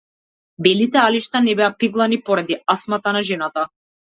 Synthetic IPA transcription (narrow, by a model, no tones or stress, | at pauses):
bɛlit̪ɛaliʃt̪anɛbɛapiɡlˠanipɔɾad̪iasmat̪anaʒɛnat̪a